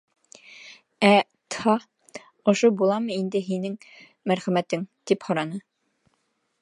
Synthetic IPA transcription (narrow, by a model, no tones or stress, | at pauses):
æ | t̪hɑ | ŏʃobulˠɑmɤind̪ɘɦinɘŋ | mæɾχæmæt̪ɘŋt̪iphɒ̆ɾɑnɤ